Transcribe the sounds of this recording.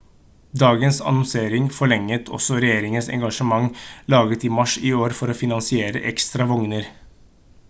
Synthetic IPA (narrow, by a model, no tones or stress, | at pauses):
d̪ɑːɡənsɑ̰nɔnseːɾɪŋfɔɭɛŋːət̪ʰɔ̰sɔɾɛjeːɾɪŋənsɛ̰ŋɡɑʂəmɑŋlɑːɡət̪ɪmɑʂɪoːɾfɔɾɔfɪnɑnsɪeːɾə̰ʔɛkst̪ɾɑʋɔŋnəɾ